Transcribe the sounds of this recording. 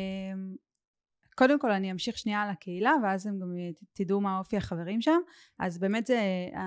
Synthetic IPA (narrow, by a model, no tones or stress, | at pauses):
m | ko̞demko̞laniamʃiχʃniaːlakeilaveazemɡamt̪idumao̞fiaχave̞ʁimʃam | ʔa̰zbe̞ːmetzea